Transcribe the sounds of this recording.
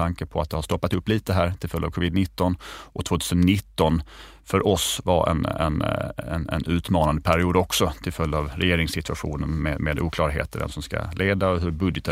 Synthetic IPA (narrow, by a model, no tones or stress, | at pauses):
aŋkəpʰɔat̪̚d̪ɛhaʂt̪ɔpːat̪ɵpːliːt̪əd̪ɛɦæːɾt̪ʰɪlfœlj̪ːaːvkʰɔvɪd̪nɪt̪ːɔnʔɔt̪ʰvoːt̪ʰʉːsənːɪt̪ːɔn | fœɾʔɔsva̰ʔɛ̰nɛ̰nɛnɛ̰nʉ̟ːt̪mɑːnand̪əpʰæɾɪuːd̪ɔksɔt̪ʰɪlfœlːɑvɾɛjeːɾɪŋsɪt̪ʰɵaɧuːnənmeːmeːd̪uːkʰlɑːɾɦḛːt̪ʰəɾvɛ̰msɔmska̰lʔeːd̪aɔɦɵɾbɵd̪jət̪ə